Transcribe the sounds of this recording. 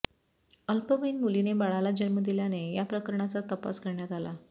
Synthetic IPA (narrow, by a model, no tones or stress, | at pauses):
əlpəʋəjnmulinebaɭalad͡ʑəɾməd̪iljanejapɾəkəɾɳat͡sat̪əpa̰skəɾɳjat̪ala̰